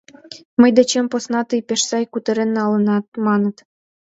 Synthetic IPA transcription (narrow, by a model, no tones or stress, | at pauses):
məjd̪et͡ɕemposnɑt̪əjpeʃsɑjkut̪ə̆ɾenːɑlə̆nɑt̪̚mɑnə̆t̪